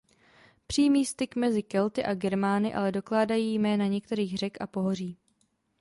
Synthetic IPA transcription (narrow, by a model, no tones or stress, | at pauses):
pr̝̥iːmiːst̪ɪkmɛzɪkɛlt̪ɪʔaɡɛɾmaːnɪʔa̰lɛdo̞klaːdajiːjmɛːnaɲɛk̚t̪ɛɾiːɣr̝ɛkʔapo̞ɦor̝iː